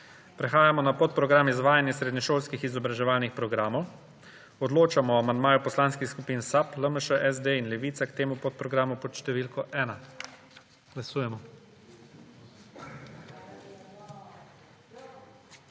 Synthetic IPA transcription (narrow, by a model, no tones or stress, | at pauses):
pɾɛxaːjamɔnapot̪̚pɾɔɡɾaːmizʋaːjanjɛsɾeːd̪nɔʃoːlskixizɔbɾaʒɛʋaːlnixpɾɔɡɾaːmɔw | ɔd̪loːt͡ʃamɔamand̪̚maːjupɔslaːnskixskupiːnsapləməʃəʔɛzd̪einlɛʋiːt̪sakt̪eːmupot̪̚pɾɔɡɾaːmupɔt̪ʃt̪ɛʋilkɔʔɛːna | ɡ̥lasuːjɛmɔ